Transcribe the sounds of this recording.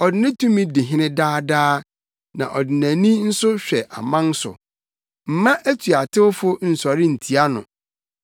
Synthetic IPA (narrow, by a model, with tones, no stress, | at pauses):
ɔ˨dɪ˨nɪ̃˦tʰũ˦mĩ˦dɪ˨ɦɪ̃˦nɪ̃˦daː˦daː˦ | nã̰˨ʔɔ˨dɪ˨næ̃˨nĩ˦n̩˦sʊ˦ɕᶣɛ˨ʔa̰˨mã˦n̩˦sʊ̰˨ | m̩˨mã˦ʔæ˦tʰu˨a˨tʰɪ˦wʊ˦fʊ˦n̩˨sɔ˨ɾɪ˦n̩˨tʰi˨a˦nʊ̰̃˨